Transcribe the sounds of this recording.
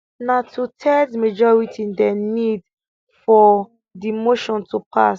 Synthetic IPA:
natʰutʰɛdmed͡ʒɔɹitʰĩndɛnid | fɔ | dimoʃɔ̃ntʰupʰas

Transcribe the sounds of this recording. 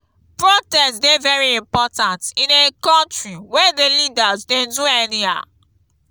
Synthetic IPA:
pɹotɛstsdevɛɹiĩmpɔtãntĩnekɔ̃ntɹiwɛdelidazdɛ̃nduɛnia̰

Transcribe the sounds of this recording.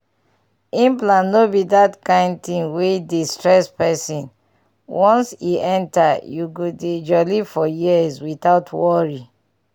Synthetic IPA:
ĩmplãnːobidatkãɪ̃nd̚tĩŋwedistɹɛspɛsĩn | wɔ̃nsiʔɛ̃ntajuɡoded͡ʒɔlifɔjiəzwitaʊtʰwɔɹi

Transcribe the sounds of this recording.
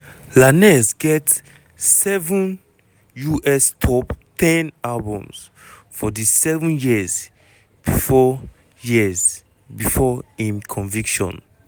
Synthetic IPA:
lanɛsɡɛt | sɛvũn | juʔɛstʰɔptʰɛ̃nalbɔ̃ms | fɔdisɛvũnjiz | b̥ifɔ | jiz | bifɔĩmkʰɔ̃nvikʃɔ̰̃n

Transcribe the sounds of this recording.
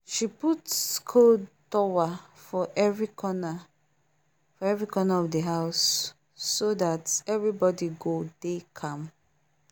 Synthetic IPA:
ʃiputkʰotɔwa | fɔʔvikɔna | fɔɛvɹikʰɔnaɔvdəɦaʊsː | oðatɛvɹibɔdiɡod̥ekʰãm

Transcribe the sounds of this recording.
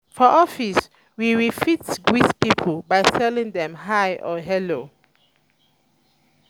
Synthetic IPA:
fɔʔɔfis | wiɹifitwiθpipʰəlbajsɛlĩŋdɛ̃mɦajʔɔɦɛlo

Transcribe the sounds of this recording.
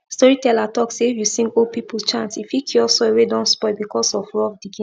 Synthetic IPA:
stɔɹitɛlatɔksefjusĩŋɡopipust͡ʃãntsifjikʰiɔsɔewedɔ̃nspɔɪbikɔsɔfɹɔfdiɡĩ

